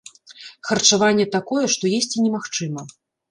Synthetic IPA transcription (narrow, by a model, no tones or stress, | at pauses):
xɐrt͡ʂavanʲːɛt̪akɔjɛʂt̪ɔjesʲt͡sʲinʲɛmaxt͡ʂɨmɐ